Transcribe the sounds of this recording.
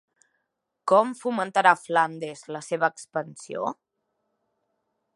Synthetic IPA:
kɔmfumənt̪əɾafland̪ezləseβ̞əːkspənsio̰

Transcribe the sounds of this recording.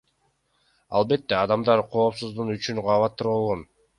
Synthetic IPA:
ɑ̰lˠbe̞t̪ːe̞ɑd̪ɑmd̪ɑɾqʰo̞ːpsuzd̪unyt͡ʃynqʰɑβɑt̪ːuɾolˠʁon

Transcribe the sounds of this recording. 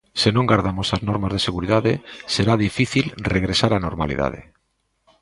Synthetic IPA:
senõŋɡaɾðamosaznoɾmazðeseɣuɾiðaðeseɾaðifiθilreɣɾesaɾanoɾma̰lḭða̰ð̞ḛ

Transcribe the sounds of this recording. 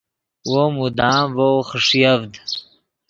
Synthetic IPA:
womud̪aːvowχəʂjavd̪

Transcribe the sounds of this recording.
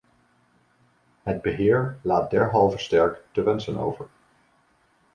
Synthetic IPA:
ɦəd̚bəɦɪːɹlaːt̚dɛɹɦɑlˠvəstɛɹktəʋɛnsəno̰wvəɹ

